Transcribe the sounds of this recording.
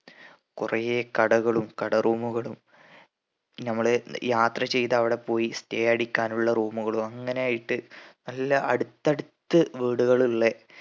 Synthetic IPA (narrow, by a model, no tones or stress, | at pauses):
kurɐjeːkɐɽɐɣɐɭumkɐɽɐruːmuɣɐɭum | nɐmːɐɭjaːt̪rɐt͡ɕe̞jt̪ɐʋiɽe̞po̞ːjisteːjɐɽikʲːaːnuɭːɐruːmuɣɐɭumɐŋːɐnejaːjiʈːɨnɐlːɐʔɐɽut̪ːɐɽut̪ːɨʋiːɽuɣɐɭiɭːe